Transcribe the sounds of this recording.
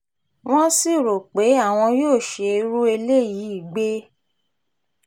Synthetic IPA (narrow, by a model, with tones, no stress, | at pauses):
w̃ɔ̃˦si˦˨ɾo˨k͡pe˨˦a˦˨w̃ɔ̃˧joː˦˨ʃe˧˦ɾu˦e˧le˦˨ji˨˦i˦˨ɡ͡be˦